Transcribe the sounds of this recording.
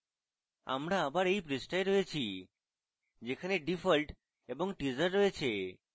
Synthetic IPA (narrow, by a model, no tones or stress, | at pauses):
a̰mɾaːbaɾejpɾisʈajɾɦɔet͡ʃʰi | d͡ʒekʰaneɖifʰɔlʈ | ebɔŋʈizəɾːɔet͡ʃʰe